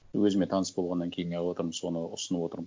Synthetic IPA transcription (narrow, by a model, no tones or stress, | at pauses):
wɵzɪmet̪ʰɑnəsbo̞lˠʁɑnːɑŋkʲʰe̞jɪŋɑlwo̞t̪əɾməo̞nəʊsənəpwo̞t̪əɾ